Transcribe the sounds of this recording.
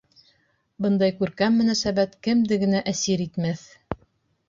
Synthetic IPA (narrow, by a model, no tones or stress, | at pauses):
bɤ̆nd̪ɑjkʉɾkæmːɵ̆næsæbæt̪kɘ̆md̪ɘ̆ɡɘ̆næʔæsiɾit̪mæθ